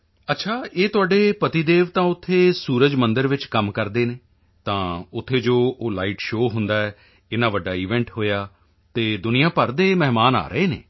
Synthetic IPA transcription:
ətːʃʰaːeːt̪ʊaːɖeːpət̪iːd̪eːʋt̪ãːʊt̪ʰːeːsuːɾəd͡ʒmənd̪əɾʋɪt͡ʃkəmkəɾd̪eːneː | t̪ãːʊt̪ʰːeːd͡ʒoːoːlaːiːʈʃoːɦʊnd̪aːɛː | ɪnãːʋəɖaːiːʋɛ̃ːɳʈɦoːjaː | t̪eːd̪ʊnɪjãːpəɾd̪eːmɛɦmaːna̰ːɾəeːnḛː

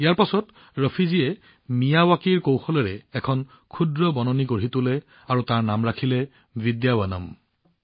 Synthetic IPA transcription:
ijaɹpasɔt | ɹɔpʰiziɛ | mijawakiɹkowxɔlɛɹɛːkʰɔn | kʰudɹɔbɔnɔnikoɹitʊlɛ | aɹutaɹnamɹakʰilɛ | bidjabanɔ̰m

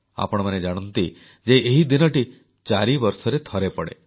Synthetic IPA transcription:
a̰pɔɽ̃ɔmaned͡ʒaɽ̃ɔnt̪i | d͡ʒeeɦid̪inɔʈi | t͡ʃaɾibɔɾsɔɾet̪ʰɔɾepɔɽḛ

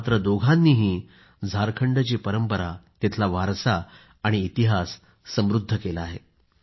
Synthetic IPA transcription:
t̪ɾəd̪oɡʱãnːiːɦiː | d͡zʱaɾkʰəɳɖt͡ɕiːpəɾəmpəɾat̪et̪ʰlaʋaɾsaː | ɽ̃iːt̪iɦasː | əmɾud̪ʱːəkelaaɦe

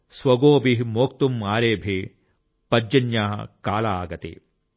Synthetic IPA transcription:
sʋɐɡoːbiɦimoːk̚t̪umːaːɾeːbʱe | pɐd͡ʒːɐnjaːɦɐ̰kaːlaaːɡɐt̪ḛ

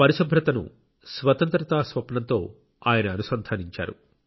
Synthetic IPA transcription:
pɐɾiʃɐbʱɾɐt̪ɐnṵ | sʋɐt̪ɐnt̪ɾɐt̪aːsʋɐpɐɳɐnt̪o̞ː | aːjɐnɐːnusɐnd̪ʱaːniɲt͡ʃa̰ːɾṵ

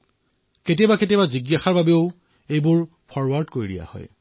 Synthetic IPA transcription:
ketibaket̬ibaziɡjaxaɹbabeʊ | ejbʊɹ | pʰɔɹwaɹdkoɹidḭja̰hɔ̰j

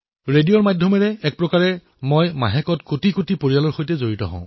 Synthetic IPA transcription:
ɹedijɔɹmajdʱjɔmɛɹɛɛk̚pɹɔkaɹɛ | mɔjmaɦɛkɔtkotikotipoɹijalɔɹxojtɛzoɹitɔ̰ɦɔ̰̃ʊ̃

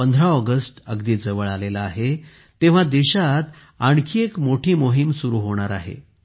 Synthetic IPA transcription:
ənd̪ʱɾaɔɡəsʈəɡd̪iːd͡zəʋəɭalelaːɦe | t̪ẽʋ̤ad̪eɕat̪ | aɳkʰiːekmoʈʰiːmoɦimsuɾuːɦoɽ̃aɾa̰ɦḛ

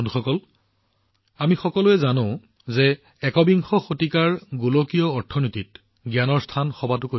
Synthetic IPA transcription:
nuxɔkɔl | amixɔkɔlʊɛzanõʊ̃ | zɛ | ɛkɔbiŋxɔxotikaɹɡulokijɔːɹtʰɔnitit | ɡjanɔɹstʰanxɔbatʊko

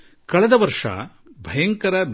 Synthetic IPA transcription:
kɐɭɛd̪ɐʋɐɾʂɐ̰ | bʱɐjɐŋkɐɾɐb

